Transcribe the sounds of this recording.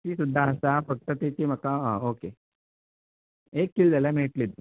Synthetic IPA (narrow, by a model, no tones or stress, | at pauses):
t̪isud̪ʱːaːɦsapɐk̚ʈɐt̪it̪imɐkːaːoːkeː | eːkːild̪ɐlemeːʈlid̪u